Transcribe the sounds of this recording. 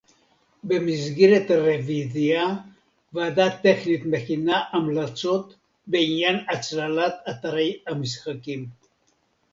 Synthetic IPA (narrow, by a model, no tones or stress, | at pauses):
be̞mizɡeʁet̪aʁevizia | vaːd̪at̪ːe̞χnit̪me̞χinaʔːmlat͡so̞t̪ | beinjanat͡slalat̪at̪aʁejamisχakim